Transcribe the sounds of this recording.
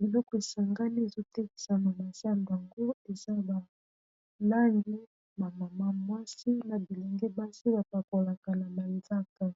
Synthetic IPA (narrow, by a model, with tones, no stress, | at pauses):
bi˨lɔ˦kɔ˦e˨sa˨ŋɡa˦ni˦e˨zo˦tɛ˦ki̥˨sa˨ma˨ma˨sa˨mba˨ŋɡo˦e˨za˦ba˨ | na˦ndi˦ | ba˨ma˨ma˦mwa˦si˦na˨bi˨lɛ˨ŋɡɛ˦ba˦si˦ba˨pa˨ko˨la˨ka˨na˨ma˨i˨za˦ka˨